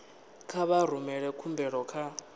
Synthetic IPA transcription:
kʰaβaɾ̤umɛɺɛkʰumbʱɛɺɔkʰa

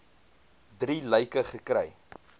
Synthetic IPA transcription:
driləjkəχəkɾɛ̰j

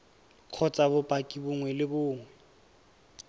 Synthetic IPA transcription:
q͡χʰɔt͡sʼabʊpʼakʼibʊŋwɛlɪbʊːŋwɛ

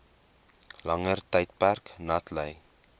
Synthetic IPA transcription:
lɐŋərtəjtpærknɐtləj

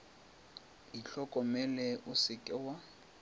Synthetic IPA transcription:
iɬɔkʼɔmɛlɛʔʊsɪkʼɛwa

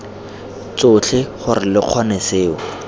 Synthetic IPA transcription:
t͡sʊt͡ɬʰɪχʊrɪlɪq͡χʰɔneseːʊ

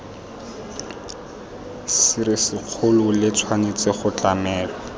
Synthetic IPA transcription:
sɪɾɪsɪq͡χʰʊlʊlɪt͡sʰwanet͡seχʊt͡ɬamɛːlɔ

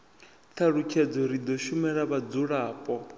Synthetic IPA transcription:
t̪ʰaɺukʰɛd͡zɔɾid̪ɔʃumɛɺaβad͡zuɺaːpʼɔ

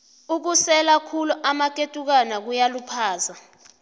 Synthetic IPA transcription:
uk̬usɛlakʰuluʔamak̬ʼetʼuk̬anak̬ujalupʰaːza

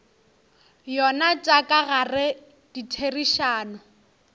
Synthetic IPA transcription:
jɔnat͡ʃʼakʼaɣarɪ | ditʰeriʃaːnʊ

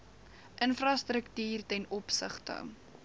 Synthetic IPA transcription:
ʔənfrɐstrəktiːrtɛnɔpsəχtə̰

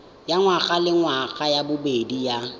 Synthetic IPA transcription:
jaŋwaɣʼalɪŋwaɣʼajabʊbedija

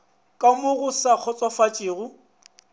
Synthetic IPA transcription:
kʼamʊɣʊsak͡xʰɔt͡sʼɔfat͡ʃʼɪːɣʊ

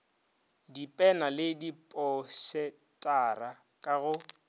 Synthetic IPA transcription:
dipʼɛnalɪdipʼɔsɛ | tʼara | kʼaɣʊ

